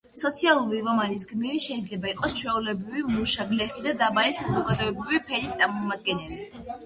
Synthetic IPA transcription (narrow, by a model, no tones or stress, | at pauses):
sɔt̪sʰialˠuɾiɾɔmanis̬ɡmiɾiʃɛid̪zlɛbaiqʼɔst͡ʃʰwɛulɛbɾivimuʃaɡlɛχid̪ad̪amalɛsazɔɡad̪ɔɛbɾivipʰɛlist̪sʼaɾmɔmad̪̚ɡɛnɛli